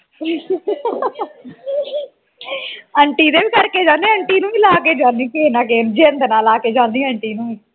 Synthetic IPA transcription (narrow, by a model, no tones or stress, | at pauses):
əɳʈiːd̪eːbiːkəɾkeːd͡ʒãːnd̪eːəɳʈiːnũːiːlaːkeːd͡ʒãːnd̪iːkeːnãːk̬eːnd͡ʒeːnd̪ənaːlaːkeːd͡ʒãːnd̪iːəɳʈiːnũːiː